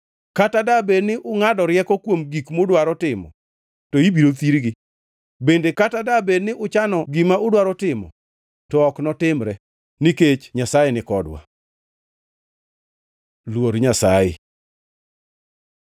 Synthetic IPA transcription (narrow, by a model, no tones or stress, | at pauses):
katadabenɪʔʊŋadɔɾjɛkɔkwomɡikmʊdwaɾɔtɪmɔ̰ | toibiɾot̪iɾɡɪ | bendekatadabednɪʔʊt͡ʃanɔɡɪmaʊdwaɾɔtɪmɔ̰ | tɔɔknɔtɪmɾɛ | niket͡ʃɲasajenɪkɔdwa̰ | lwoɾɲasajḛ